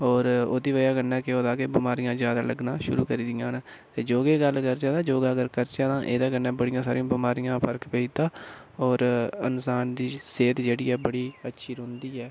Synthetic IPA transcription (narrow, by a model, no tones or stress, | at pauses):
ɔːɾo̰ːd̪iːʋəjaːkənːɛːkɪoːd̪aːkebɪmaːɾijãːzjaːd̪aːləɡnaːʃʊ̰ɾṵːkəɾiːd̪ɪjãːnː | t̪eːd͡ʒoːɡeːɡəlkəɾd͡ʒaːd̪aːd͡ʒoːɡaːɡəɾkəɾt͡ʃaːd̪ãːʔeːd̪aːkənːɛːbəɽɪjãːsaːɾɪjõːbɪmaːɾijãːpʰəɾkpeiːt̪ãːɔːɾənsaːnd̪iːseːt̪d͡ʒeːɽiːɛːbəɽiːətːʃʰiːɾõːnd̪iːɛː